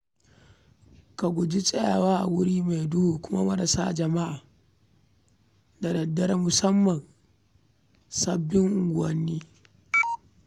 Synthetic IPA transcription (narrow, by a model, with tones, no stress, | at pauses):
ka˨ɡʷʊ˨d͡ʒi˦sʼɛ˦jaː˨waː˦ʔa̰˨wʊ˦ɽiː˦ma˨jdʊ˦huː˨kʷʊ˦ma̰˦mɐ˦ɾa˨saː˦d͡ʒɐ˨ma˦ʔaː˨ | da˨dɐ˨dːɐ˦ɾa˦mʊ˨sɐ˦mːɐ˨n | sɐ˦bːɪ˦ŋʔʊ˨ɡʷʊ˨ɐ˦nːiː˦